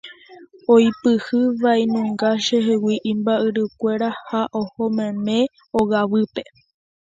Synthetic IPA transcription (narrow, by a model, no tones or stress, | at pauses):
ojpɨhɨʋainũŋɡaʃeɦewiʔĩmbaʔɨɾɨkʷe̞ɾahaʔohomẽmẽ̞ | oɣaʋɨpe̞